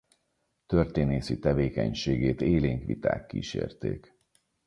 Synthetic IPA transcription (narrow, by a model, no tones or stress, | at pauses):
t̪ørt̪eːneːsit̪ɛveːkɛɲʃeːɡeːt̪eːleːŋkʋit̪a̰ːkːiːʃḛːrt̪eːk